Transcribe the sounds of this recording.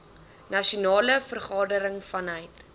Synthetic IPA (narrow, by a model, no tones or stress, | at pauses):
nɐʃunɑːləfərχɑːdəɾəŋfɐnœjt